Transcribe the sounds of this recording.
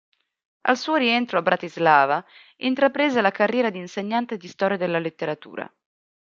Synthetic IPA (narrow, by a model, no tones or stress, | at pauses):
a̰lsuːoɾiɛnt̪ɾoabɾʔat̪izlaːva | int̪ɾapɾeːzelakarːjɛːɾad̪inseɲːant̪ed̪ist̪ɔːɾjad̪elːalet̪ːeɾat̪ṵːɾa̰